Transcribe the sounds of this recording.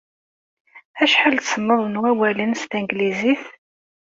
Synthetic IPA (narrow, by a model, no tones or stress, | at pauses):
æʃħalt̪sənːəðˤnæwælənst̪æŋɡliziθ